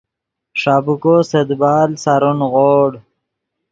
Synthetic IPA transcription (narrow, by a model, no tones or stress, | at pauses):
ʂaːbukosed̪baːlsaɾunɣoːɽ